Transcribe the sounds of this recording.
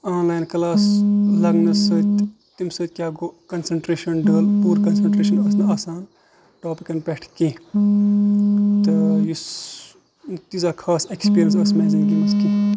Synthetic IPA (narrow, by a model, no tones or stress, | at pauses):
aːnlaːjnklaːslɐɡnɐsɐt̪ | t̪imsət̪̚ʲkjaːɡoːkɐnsɐɳʈɾeːʃɐnɖɐːlpuːɾkɐnsɐɳʈɾeːʃɐnɐsnɨaːsaːn | ʈoːpikɐnpeʈʰkĩ | t̪ɨjus | t̪izakʰaːsekspiːɾʲjənsɐsmeːziŋɡimɐski